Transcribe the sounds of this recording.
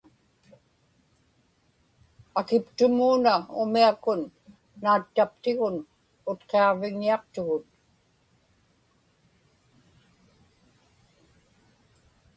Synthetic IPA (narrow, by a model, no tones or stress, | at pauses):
akɪpt̪ʊmuːnaʊ̰miakʊnː | aːt̪ːapt̪ɪɣʊn | ʊt̪qeɑʁvɪŋːiɑq̚t̪ʊɣʊt̪̚